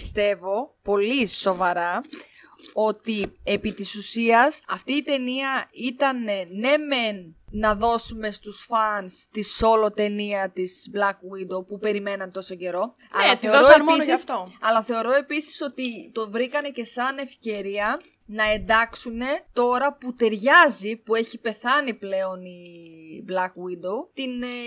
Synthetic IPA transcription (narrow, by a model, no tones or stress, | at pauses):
ist̪e̞vo̞po̞liso̞vɐɾɐ | o̞t̪ie̞pit̪isusiɐsɐft̪iːt̪e̞niɐit̪ɐne̞nːe̞me̞nːɐðo̞sume̞st̪usfɐnst̪iso̞lo̞t̪e̞niɐt̪izblɐkwind̪opupe̞ɾime̞nɐnt̪o̞so̞ce̞ɾo̞ | ɐ̰lɐθeiooɾoeminsiɐsft̪oɐlɐθe̞o̞ɾo̞e̞pisi̥so̞t̪it̪o̞vɾikɐne̞ce̞sɐne̞fce̞ɾiɐ | nɐe̞nd̪ɐksune̞t̪o̞ɾɐput̪e̞ɾʝɐzipue̞çipe̞θɐniple̞o̞niblɐkwid̪owt̪in